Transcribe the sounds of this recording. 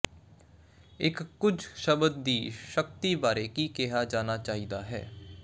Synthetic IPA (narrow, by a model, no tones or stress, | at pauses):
ɪkːʊd͡ʒʃəbəd̪ːiːʃək̚t̪ibaːɾekikeːɦaːd͡ʒaːnat͡ʃaːɦiːd̪aːɦɛ̰ː